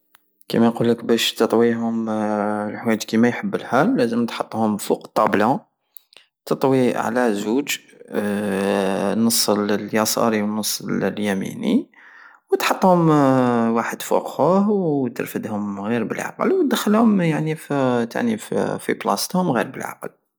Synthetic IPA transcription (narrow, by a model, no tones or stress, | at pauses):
kḭmæjqulːəkbæʃt̪ət̪ˤwiɦʊm | lħwæjət̪kimæjħəbːəlħælːæzəmt̪ħot̪ˤːhʊmfuqt̪ˤːɑblɑ̃ | t̪ət̪ˤwiʕlæzuʒ | nəsˤːlljɑsˤɑ̰ɾiwnəsˤːlljæmḭnḭ | wt̪ħɑt̪ˤːhʊmwaħəd̪fṵqhʊhwt̪ə̰ɾfəd̪hʊmɣiɾbə̰lʕa̰qə̰lwt̪̚d̪əxːəlhʊmjaʕnift̪ʰa̰ʕniffḭblɑ̰st̪hʊmɣḭɾbəlʕa̰qəl